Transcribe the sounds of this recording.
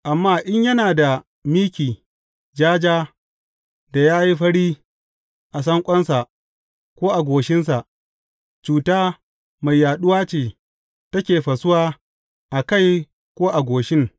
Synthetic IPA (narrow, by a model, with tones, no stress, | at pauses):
ʔa˨mːaː˦ʔɪ˦ɲjɐ˦naː˨da˨ | miː˦kʲiː˨ | d͡ʒaː˦d͡ʒaː˦ | da˨jaː˦ji˦ɸɐ˦ɽiː˦ | ʔa˨sɐ˦ŋkʷʼɔ˦nsa˨ʔ | kʷoː˦ʔa˨ɡʷoː˨ʃɪ˦ns̬a˨ʔ | t͡ʃuː˨taː˦ | ma˨jːaː˨ɗʊ˦waː˦t͡ʃeː˨ | tɐ˦kʲeː˨ɸɐ˨sʊ˦waː˦ | ʔa˨ka˦˨j | kʷoː˦ʔa˨ɡʷoː˨ʃɪ˦ŋ